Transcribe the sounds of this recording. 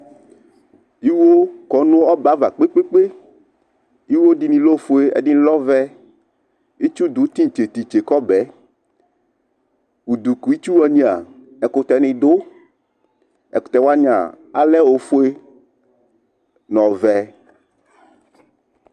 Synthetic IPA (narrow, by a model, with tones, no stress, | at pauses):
i˦wo˦kɔ˨˦nũ˦ɔ˦ba˦va˨k͡pe˦k͡pe˦k͡pe˦ | i˦wo˦ɖi˨nĩ˨lo˦fo˦e˦ɛ̰˨ɖi˦lɔ˦vɛ˦ | i˦t͡ʃu˦d̪u˨˦t̪i˦ŋ˨t͡ʃe˨t̪i˨t͡ʃe˨kɔ˦bɛ˨˦ | u˨d̪u˨ku˨i˦t͡ʃu˦wɔ˦ɲĩ˦a̰˨ | ɛ˨ko˨t̪ɛ˨nɪ̃˨d̪o˦ | ɛ̰˨ko˨t̪ɛ˨wa˦ɲã̰˨ | a˨lɛ˦wo˨fo˦e˦ | nɔ̃˨vɛ˨